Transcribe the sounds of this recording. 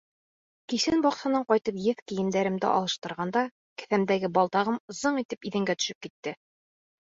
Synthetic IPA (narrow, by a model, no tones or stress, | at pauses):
kisɘnbɒqsɑ̆nɤɴqɒjt̪ɤpjɘθkijɘ̆md̪æɾɘ̆md̪ɘ̰ʔɒ̰lˠɤ̆ʃt̪ɤ̆ɾʁɑnd̪ɑ | kɘ̥̆θæmd̪æɡɘbɒlˠt̪ɑʁɤmŏzɤɴit̪ɘpiðɘ̆ŋɡæt̪ɵ̥̆ʃɘp̚kit̪ːɘ